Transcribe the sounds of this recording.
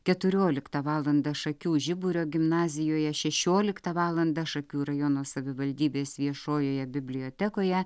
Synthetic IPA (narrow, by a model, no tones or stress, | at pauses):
kʲɛt̪ʊɾʲoːlʲɪkt̪ɐʋɑːlˠɐnd̪ɐʃɐkʲuːʒʲɪbʊɾʲoːɡʲɪmnɑːzʲɪjoːjɛʃʲɛʃʲoːlʲɪkt̪ɐʋɑːlˠɐnd̪ɐʃɐkʲuːɾɐjonoːsɐʋʲɪʋɐlʲd̪ʲiːbʲeːsʋʲiɛʃoːjoːjɛbʲɪbʲlʲɪjoːt̪ʲɛkoːjɛ